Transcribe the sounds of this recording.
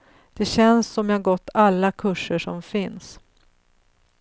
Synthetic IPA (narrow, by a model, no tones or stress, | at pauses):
d̪̥ɛɕɛnsːɔmjahaɾɡɔt̪ːalːakʰɵʂːəʂɔmfɪns